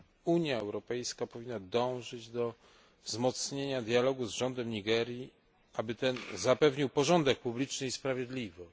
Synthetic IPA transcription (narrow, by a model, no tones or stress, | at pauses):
uɲjaɛwɾɔpɛjskapɔvʲinːad̪ɔ̃w̃ʐɘd͡ʑd̪ɔ | vzmɔt̪sɲeɲad̪jalɔɡuzʐɔnd̪ɛmɲiɡɛɾji | abɘt̪ɛnzapɛvɲiwpɔʐɔnd̪ɛk̚publʲit͡ʂnɘispɾavʲjed̪lʲivɔ